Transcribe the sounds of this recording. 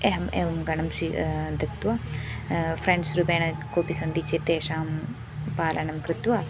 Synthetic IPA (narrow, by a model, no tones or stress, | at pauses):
eɦɐmeʋɐmɡɐɳɐmsid̪ʱɐkt̪ʋaː | fɾeɳɖsɾubeːɳɐkoːpisɐnd̪it͡ʃet̪eːʃaːm | paːlʔɐɳɐmkɾɪt̪waː